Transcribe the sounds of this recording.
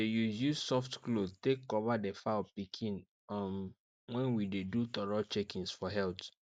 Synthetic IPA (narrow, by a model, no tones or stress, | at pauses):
dejuzjusɔftklod̚tekːɔvadefapikʰĩn | am | wɛ̃nwidedutɔɹalt͡ʃekĩnsfɔɦɛlt